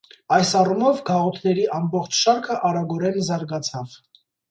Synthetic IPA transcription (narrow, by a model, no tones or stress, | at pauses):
ɑjsɑrumɔvɡɑʁɔt̪ʰnɛɾiʔɑmbɔχt͡ʃʰʃɑɾkʰəʔɑɾɑɡɔɾɛnzɑɾɡɑt͡sʰɑv̥